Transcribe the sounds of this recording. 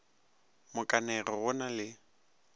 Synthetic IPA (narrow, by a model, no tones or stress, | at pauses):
mʊkʼanɛɣɪɣʊnalɪ